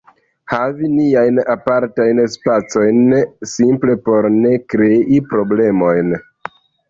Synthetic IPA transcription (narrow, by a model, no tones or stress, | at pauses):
haviniajnapaɾtajnspat͡so̞jnsimple̞po̞ɾne̞kɾe̞ʔipɾo̞ble̞mo̞jn